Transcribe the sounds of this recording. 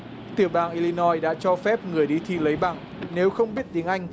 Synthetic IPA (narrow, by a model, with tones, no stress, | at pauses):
t̪ɨ˨˧˩əɓaː˨˩ŋʔi˧li˧nɔ˧jɗa̰ː˧˥t͡ɕɔ˧fɛ˦˥p̚ŋɨ˨˩əjɗi˧t̪ʰḭ˧˨lə˨˦jɓaː˧˩ŋ | ne˨˦wxə˧wŋ͡mɓi˦˥ət̚t̪i˨˦əŋʔa˧jŋ̟